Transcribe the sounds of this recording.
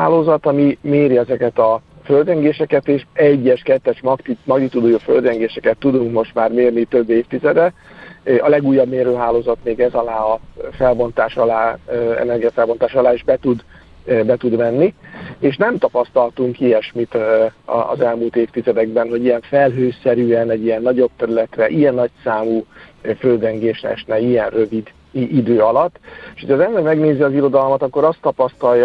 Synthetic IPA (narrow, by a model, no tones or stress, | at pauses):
aːloːzɒt̪ɒmimeːɾiɛzɛkɛt̪ɒføld̪rɛŋɡeːʃɛkɛt̪eːʃɛɟːɛʃkɛt̪ːɛʃmɒkt̪imɒɡnit̪ud̪uːjofø̰ld̪rɛŋɡeːʃɛkɛt̪ːud̪uŋkmo̞ʃt̪maːrmeːrnit̪øbːeːft̪izɛd̪ɛ | ɒlɛɡuːjːɒbmeːɾøːɦaːloːzɒt̪meːɡɛzɒlaːɒfɛlbo̞nt̪aːʃɒlaːɛ̰nɛrɡiɛfɛlbo̞nt̪aːʃɒlaːiʒbɛt̪ud̪ | bɛt̪ud̪mɛnːieːʃnɛmt̪ɒpɒst̪ɒlt̪uŋkijɛʃmit̪ɒ̰ːzɛlmuːlt̪eːft̪izɛd̪ɛɡ̚bɛnɦo̞ɟijɛɱfɛlɦøːsɛɾyːɛnɛɟːijɛnːɒɟo̞b̚t̪ɛɾylɛt̪rɛʔijɛnːɒcsaːmuːføld̪ɛŋɡeːʃnɛ̰ʃnɛijɛnrøvid̪ | id̪øːɒlɒt̪ːeʃhocʰɒzɛmlɛɡmɛɡneːziɒziɾo̞d̪ɒlmɒt̪ɒkːo̞ɾɒst̪ːɒpɒst̪ɒlj